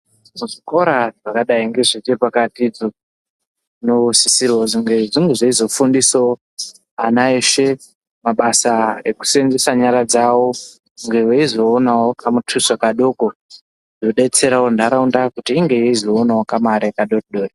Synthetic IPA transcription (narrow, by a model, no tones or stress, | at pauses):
muʐiko̞ɾaʐakaɗaiŋɡe̞ʐit͡ʃepakatid͡zo | nosisiɾoziŋɡe̞ʐiŋɡeʐaizo̞fundiso | anae̞ʃe̞ | maɓasaeku̥senzesaɲaɾad͡zawo | ŋɡe̞weizo̞ːnawo̞kʰamutʰusakaɗo̞ko | ʐoɗe̞t͡se̞ɾawondaɾaundakutiːŋɡe̞jeizo̞ːnawokamaɾakaɗotɗoːri